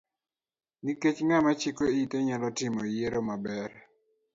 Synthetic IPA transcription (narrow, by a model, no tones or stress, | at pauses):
niket͡ʃŋamat͡ʃikoiteɲalɔtɪmɔjeɾomabɛɾ